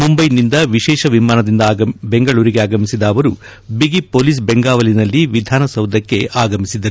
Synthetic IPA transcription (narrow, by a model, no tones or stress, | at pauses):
mumbɐjnind̪ɐʋiʃɛːʃɐʋimaːnɐd̪ind̪ɐːbeŋɡɐɭuːɾiɡeaːɡɐmisid̪ɐːʋɐɾu | biɡipoːliːs̬beŋɡaːʋɐlinɐlːiʋid̪ʱaːnɐsɐwd̪ʱɐkːe̞ʔaːɡɐmisid̪ɐɾu